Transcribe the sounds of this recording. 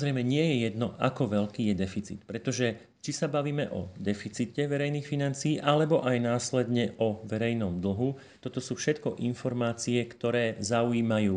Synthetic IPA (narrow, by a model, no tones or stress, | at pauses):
zɾɛjmɛɲɪɛjɛjɛd̪nɔʔa̰kɔʋɛʎkiːjɛd̪ɛfit͡sḭt̪pɾɛt̪ɔʒɛ | t͡ʃisabaʋiːmɛʔɔ̰d̪ɛfit͡sicɛʋɛɾɛjniːxfinant͡siiːʔalɛbɔʔajnaːslɛd̪ɲɛʔɔʋɛɾɛjnɔmd̪l̩ɦu | t̪ɔt̪ɔsuːfʃɛt̪kɔʔinfɔɾmaːt͡siɛkt̪ɔɾɛːzauiːmajuː